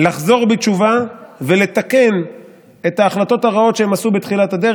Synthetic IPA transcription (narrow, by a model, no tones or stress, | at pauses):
laχzo̞ʁbet͡ʃuvavele̞t̪ake̞n | e̞t̪aːχlat̪o̞t̪aʁao̞t̪ʃehemasubet̪χilat̪ad̪e